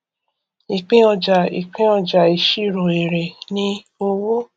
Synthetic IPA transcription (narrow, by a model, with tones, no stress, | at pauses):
i˨k͡pẽ˦ɔ˧d͡ʒa˨ḭ˨k͡pẽ˦ɔ˧d͡ʒa˨i˨ʃi˦˨ɾo˨e˨ɾe˨nĩ˦ | o˧wo˦